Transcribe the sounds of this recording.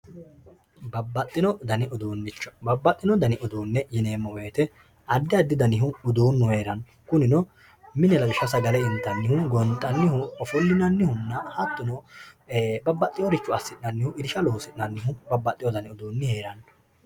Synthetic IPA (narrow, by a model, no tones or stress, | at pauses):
bɐbːɐt̪ʼːɪnɔd̪ɐnɪʔʊd̪uːnːɪt͡ʃːɔ̥bɐbːɐt̪ʼːɪnɔd̪ɐnɪʔɔd̪uːnːɛjɪne̞ːmːɔweːt̪ɛ | ɐd̪ːɪɐd̪ːɪd̪ɐnɪɦʊʊd̪uːnːʊhe̞ːɾɐnː | kʊnɪnɔ | mɪnɛlɐɡɪʃːɐsɐɡɐlɛɪnt̪ːɐnːɪhʊɡɔnt̪ʼːɐnːɪhʊɔfɔlːɪnɐnːɪhʊnːɐhɐt̪ːʊnɔ | bɐbːɐt̪ʼːɪjɔɾɪt͡ʃːʊɐsːɪtnɐnːɪhʊɪd̪ɪʃɐloːsɪtnɐnːɪɦʊbɐbːɐt̪ʼːɪjɔd̪ɐnɪʊd̪uːnːɪhe̞ːɾɐn